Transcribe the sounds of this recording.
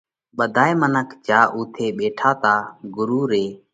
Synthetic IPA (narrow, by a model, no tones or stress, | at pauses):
ɓəd̪ʱaːemənəkʰd͡ʒaːʔuːt̪ʰeːɓeːʈʰaːt̪aːɡʊɾuːɾeː